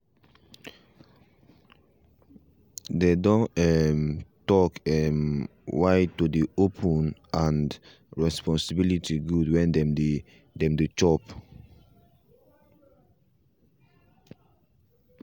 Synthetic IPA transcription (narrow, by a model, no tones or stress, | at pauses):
dedɔ̃ɛmtɔkɛm | waɪtudiopʰə̃nãnd | ɹɛspɔ̃nsəbilitʰiɡudwɛ̃ndɛm | dɛ̃mdut͡ʃɔp